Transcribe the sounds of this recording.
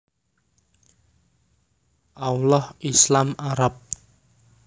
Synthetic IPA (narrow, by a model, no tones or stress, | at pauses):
ʔawlɔhʔislamaɾap̚